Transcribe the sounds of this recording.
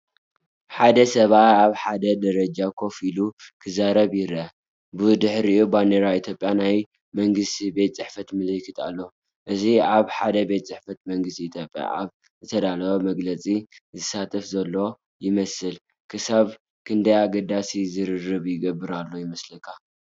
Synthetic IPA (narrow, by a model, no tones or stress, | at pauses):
ħad̪ɐsɐβat̪aβħad̪ɐd̪ɐɾɐd͡ʒakʰo̞filukʰɨzaɾɐβjɪɾʔɐ | bɨd̪ɨħɾiubaneɾait̪ʰjo̞pʼjanaj | mɐŋɡɨst̪ʰibe̞t̪ʼt͡sʼɨħfɐt̪mɨlɨkʰɨt̪ʼa̰lːo̞ | ʔɨziaβħad̪ɐbe̞t̪ʼt͡sʼɨħfɐt̪mɐŋɡɨst̪ʰiit̪ʰjopʼja̰a̰β | zɨt̪ʰɐd̪alɐβomɐɡlɐt͡sʼizɨsat̪ʼɐfzɐlːo̞ | jɪmɐsɨl | kʰɨsaβ | kʰɨnd̪ɐjaɡɐd̪asizɨɾɨrːɨβjɪɡɐbːɨɾalːo̞jɪmɐslɨkʰːa